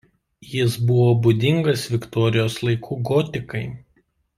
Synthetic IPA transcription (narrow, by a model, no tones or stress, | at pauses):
jɪsbʊʋoːbʊd̪ʲɪŋɡɐsʋʲɪkt̪ɔɾʲɪjoːslˠɐɪkʰuːɡɔt̪ʲɪkɐɪ